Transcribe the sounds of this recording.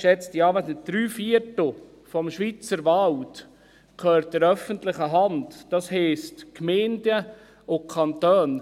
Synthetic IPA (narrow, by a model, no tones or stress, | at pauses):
ʃɛt͡sdiɑːʋɛsnəd̥ɾyːfiəɾtl̩ | fɔmʃʋit͡səɾʋɑlt | kʰœːɾt̚dɛɾœfəntlɪχəɦɑndd̥ɑshɛːstkmɛːndə | ʔʊkʰɑnt̪øːn